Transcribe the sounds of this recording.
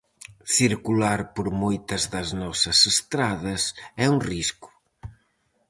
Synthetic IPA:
θiɾkulaɾpoɾmojt̪ɐzðɐznɔsɐsest̪ɾaðɐsɛuŋrisku̥

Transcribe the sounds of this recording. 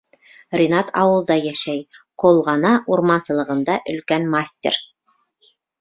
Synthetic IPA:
rʲɪnɑt̪ʰɑ̰wɤ̆lˠd̪ɑjæʃæjqʰolˠʁɑnɑʔuɾmɑnsɤ̆lˠɤ̆ʁɤ̆nd̪ɑʔɵ̆lkænmasʲtʲḛr

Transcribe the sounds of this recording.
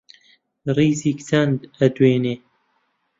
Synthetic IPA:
riːziːkt͡sʰɐnd̪ɐd̪weːneː

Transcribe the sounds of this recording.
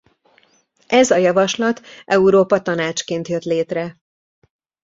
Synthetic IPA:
ɛzɒjɒvɒʃlɒt̪ʔɛuɾoːpɒt̪ɒnaːt͡ʃkeːnt̪jøt̪leːt̪rɛ

